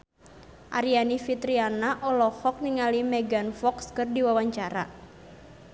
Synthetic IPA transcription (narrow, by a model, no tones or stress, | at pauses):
ʔa̰ɾianifit̪ɾianaʔɔlɔhɔk̚niŋalimɛɡanfɔkskɨrdiwawaɲt͡ʃaɾa